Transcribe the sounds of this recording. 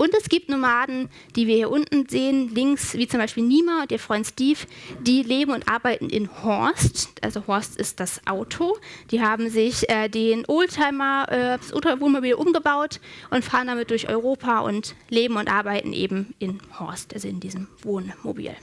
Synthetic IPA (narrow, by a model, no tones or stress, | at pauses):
ʔʊntɛsɡ̥iːp̚tnomaːdn̩ | d̥iːviːɐhiːɐʔʊntn̩zeːənlɪŋksv̥iːt͡sʊmbaɪʃpiːlniːmaʊntd̥eːɐfʁ̥ɔʏnstiːfd̥iːleːbm̩ʊntʔa̰ːɐbaɪtn̩ʔɪ̰nhɔɐstʔa̰lzohɔɐstɪ̰st̚d̥asʔa̰ʊtʰod̥iːɦaːbm̩zɪçʔɛːdeːnʔoːltʰaɪmɐʔɛ̥ːsʔo̰ːtavoːnmobiːlʔʊmɡəbaʊtʔʊntfaːʁəndamɪt̚d̥ʊɐçʔɔ̰ʏʁoːpʰaʔʊ̰ntleːbm̩ʊntʔaɐbaɪtn̩ʔḛːbm̩ʔɪnhɔ̰ɐstʔalzoɪndiːzəmvoːnmo̰bḭːl